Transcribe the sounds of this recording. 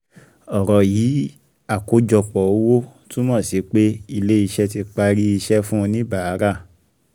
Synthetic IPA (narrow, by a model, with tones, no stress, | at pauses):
ɔ˨ɾɔ˨jiː˨˦ | a˦˨ko˨˦d͡ʒɔ˧k͡pɔ˨o˦wo˦tũ˦mã˦˨si˨˦k͡pe˦i˧le˦i˧ʃɛ˦ti˧k͡pa˧ɾi˦i˧ʃɛ˦fũ˦˧nĩ˦ba˦˨a˨˦ɾa˦˨